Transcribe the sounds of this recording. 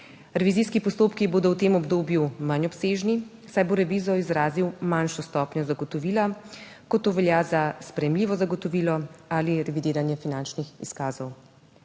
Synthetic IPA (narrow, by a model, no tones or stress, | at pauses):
ɾɛʋiziskipɔst̪oːpkiboːd̪ɔwt̪eːmɔbd̪oːbjumanɔpseːʒni | sajboɾɛʋizɔizɾaːziwmanʃɔst̪ɔːpɲjɔzaɡɔt̪ɔʋiːla | kɔt̪ːoːʋɛljazaspɾɛjɛmliːʋɔzaɡɔt̪ɔʋiːlɔaːliɾɛʋid̪eːɾanjɛfinant͡ʃnixḭskaːzɔw